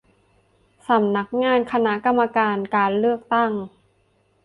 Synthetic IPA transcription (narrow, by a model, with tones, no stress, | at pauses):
sa˩˦mna˦˥k̚ŋaː˧˥˩nkʰa˧na˦˥ʔka˧mːa˧kaː˧nkaː˧nlɯ˥˩ək̚t̪a˥˩ŋ